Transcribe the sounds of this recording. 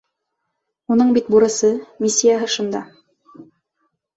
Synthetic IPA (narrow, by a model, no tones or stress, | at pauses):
unɤɴbit̪̚buɾɤ̆sɤmʲisʲːijaɦɤʃŏnd̪ɑ